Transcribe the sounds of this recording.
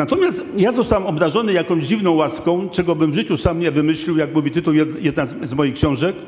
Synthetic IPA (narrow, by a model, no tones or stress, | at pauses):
nat̪ɔmʲjast̪jazɔst̪awɛmɔbd̪aʐɔnɘjakɔ̃w̃ʑd͡ʑivnɔ̃w̃waskɔ̃w̃t͡ʂɛɡɔbɘmvʐɘt͡ɕusamɲɛvɘmɘɕlʲiwjakmuvʲit̪ɘt̪uwjɛd̪jɛd̪nazmɔjixkɕɔ̃w̃ʐɛk